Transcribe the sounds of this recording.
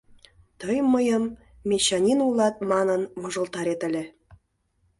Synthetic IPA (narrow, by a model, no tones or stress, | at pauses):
t̪əjməjəmːʲ | eɕɑnʲinulˠɑt̪̚mɑnənmŏʒə̆lt̪ɑɾet̪ə̆lʲĕ